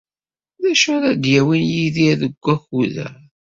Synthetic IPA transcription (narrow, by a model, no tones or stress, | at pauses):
ðæʃəɾæd̪jæwinjiðiðəɡʷːæxuðæ̰